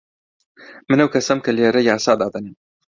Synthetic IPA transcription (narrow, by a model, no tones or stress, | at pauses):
mɨnɐwkʰɐsɐmkɐleːɾɐjaːsaːd̪aːd̪ɐni